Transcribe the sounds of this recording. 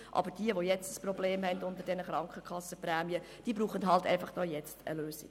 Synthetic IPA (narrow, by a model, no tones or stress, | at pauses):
ʔɑ̰bəɾd̥iəʋojɛt͡stəsprɔbleːmɦɛndʊnd̪əɾdɛnəχɾɑŋkχəkʰɑsːəpræːmiə | d̥iːbɾuːχəntɦɑltɛ̰ɪfɑχd̥ɔːjɛt͡stə̰løːsḭ̥